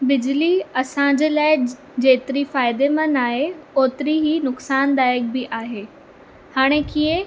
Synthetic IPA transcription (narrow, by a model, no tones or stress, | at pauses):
bɪd͡ʑliɐsãɲd͡ʑeːlaːɪ | d͡ʑeːt̪ɪɾifaːɪd̪emãnaːɦeoːt̪ɪɾiɦinʊksaːnd̪aːjək̚bɪʔaːɦeː | haːɽ̃ekiə̃